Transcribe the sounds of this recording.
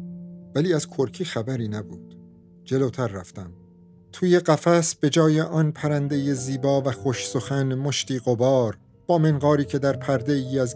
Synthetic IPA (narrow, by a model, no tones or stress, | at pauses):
væliːæz̥kʰoɾcʰiːxæbæɾiːnæbuːd̪̥ | d͡ʒe̞loːt̪ʰæɾːæft̪æm | t̪ʰuːje̞ɢæfæsb̥e̞d͡ʒɒːje̞ʔɒːnpʰæɾænd̪e̞jeziːbɒːvæxoʃsoxænmoʃt̪iːɣobɒːɾ | b̥ɒːmenɢɒːɾiːcʰe̞d̪æɾpʰæɾd̪e̞iːæz